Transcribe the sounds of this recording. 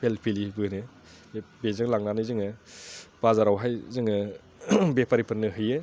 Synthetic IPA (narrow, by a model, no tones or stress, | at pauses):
pʰelpʰilibɯnɯ | bezɯŋlaŋnanɯzɯŋɯbazaɾawɦajzɯŋɯ | bepʰaɾipʰɯɾnɯɦɯjɯ